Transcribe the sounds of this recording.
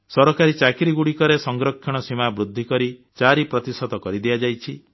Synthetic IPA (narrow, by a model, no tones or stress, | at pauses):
sɔɾɔkaɾit͡ʃakiɾiɡuɽikɔɾesɔŋɡɾɔkʰːjɔɽ̃ɔsimabɾud̪ʱːikɔɾi | t͡ʃaɾipɾɔt̪isɔt̪ɔkɔɾid̪iad͡ʒajt͡ʃʰi